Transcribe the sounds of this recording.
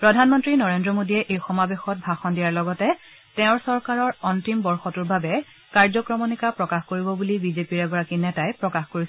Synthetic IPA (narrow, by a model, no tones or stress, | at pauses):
pɹɔdʱanmɔntɹinɔɹendɹɔmodijɛʔejxɔmabexɔt̚bʱaxɔndijaɹlɔɡɔtɛ | tɛ̃ʊ̃ɹsɔɹkaɹɔɹɔntimbɔɹxɔtuɹbʱabɛ | kaɹzɔkɹɔmɔnikapɹɔkaxkoɹibɔbulibizepiɹɛɡɔɹakinɛtajpɹɔkaxkoɹis